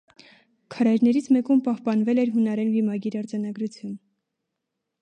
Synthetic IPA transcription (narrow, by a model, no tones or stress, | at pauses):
kʰɑɾɑjɾnɛɾit͡sʰmɛkumpɑhpɑnvɛlɛɾɦunɑɾɛnbimɑɡiɾɑɾd͡zɑnɑɡɾut͡sʰjun